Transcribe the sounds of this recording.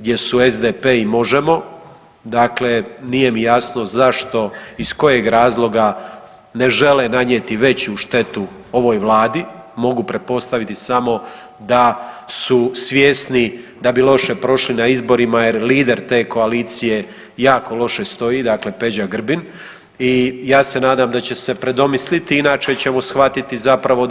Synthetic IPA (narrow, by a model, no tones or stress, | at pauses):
ɡd̪je̞suezd̪epeːimo̞ʒemo̞ | d̪akle̞nije̞mijasno̞zaʃt̪o̞isko̞je̞ɡɾaːzlˠo̞ɡa | ne̞ʒe̞lenaɲjet̪iʋe̞t͡ɕuʃt̪e̞t̪u | o̞ʋo̞ːjʋlˠaːd̪i | mo̞ɡupɾet̪̚po̞st̪aʋit̪isamo̞ | d̪asusʋjesnid̪abilˠo̞ʃe̞pɾo̞ʃlinaizbo̞ɾimajeɾliːd̪e̞ɾt̪e̞ːko̞aliːt̪sije̞ | jaːkʰo̞lo̞ʃe̞st̪o̞jiːd̪akle̞pe̞d͡ʑaɡr̩bin | ijaːse̞naːd̪amd̪at͡ɕese̞pɾed̪o̞mislit̪iinaːt͡ʃe̞t͡ɕe̞mosxʋat̪it̪izapɾaʋo̞